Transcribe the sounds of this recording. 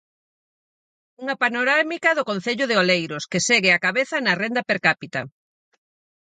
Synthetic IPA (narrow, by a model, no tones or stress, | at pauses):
uŋɐpanoɾamikɐðʊkon̟θeʎʊðeolejɾʊskeseɣɪakaβeθɐnɐrend̪ɐpeɾkapit̪ɐ̰